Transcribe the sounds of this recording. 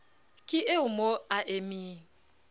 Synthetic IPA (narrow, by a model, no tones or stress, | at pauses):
kʼɪʔeʊmoaʔemiː